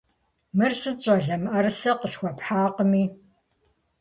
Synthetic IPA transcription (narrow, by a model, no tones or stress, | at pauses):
mɨrsɨt͡ʃʼɐɮɐmʔɐrɨsɐqəsxʷɔpħaːqəmiː